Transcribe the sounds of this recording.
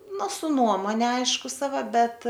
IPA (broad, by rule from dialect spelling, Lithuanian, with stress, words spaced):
ˈnʊ sʊ ˈnuɔmoːnʲɛ ˈɐɪʃkʊ sɐˈʋɐ ˈbʲɛt